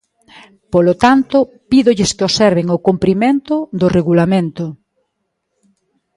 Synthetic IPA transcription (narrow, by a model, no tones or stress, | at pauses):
polot̪ant̪ʊ | piðʊʎɪskɪosɛɾβeŋokumpɾiment̪ʊðʊreɣulamẽnt̪ʊ